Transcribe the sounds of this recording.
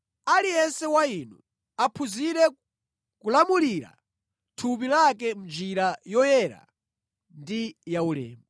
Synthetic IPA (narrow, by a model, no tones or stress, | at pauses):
alijɛnsɛwainu | apʰuziɾɛ | kulamuliɾa̰ | tʰup̬ilak̬ɛm̩d͡ʒiɾajɔjɛɾa̰ | ndijaulɛ̰ːmba